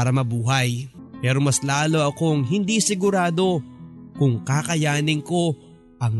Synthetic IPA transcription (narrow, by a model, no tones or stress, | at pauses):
aɾɐmɐbuːɦɐj | pɛːɾo̞mɐslaːlo̞ʔɐko̞ŋɦɪnd̪isɪɡʊɾaːd̪o̞kʊŋkakɐjaːnɪŋko̞ | ʔɐŋ